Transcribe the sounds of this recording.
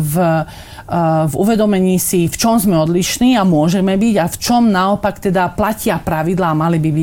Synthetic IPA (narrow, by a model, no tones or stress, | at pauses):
v | vuʋɛd̪ɔmɛɲiːsift͡ʃɔmzmɛɔd̪liʃniːamʊɔʒɛmɛbiɟaft͡ʃɔmnaɔpakt̪ɛd̪aplacɪapɾaʋid̪laːmalibibi